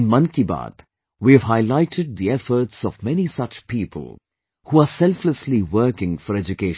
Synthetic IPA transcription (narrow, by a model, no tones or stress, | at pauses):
nmʌ̃nkiba̰ːd̪ | wiɨʋɦaɪlaɪʈɪɖ̚d̪iɛfəɾʈsɔvmɛnisʌt͡ʃpiːpʰə̰lˠ | huasɛlfləsliʋəːkɪ̃ŋfɔɾɛd͡ʒʊkeːʃ